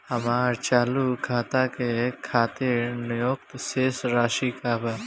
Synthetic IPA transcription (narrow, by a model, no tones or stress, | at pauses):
hɐmaːɾt͡ʃaːlukʰaːt̪akekʰaːt̪enjoːk̚t̪seːsɾaːʃikaːbaː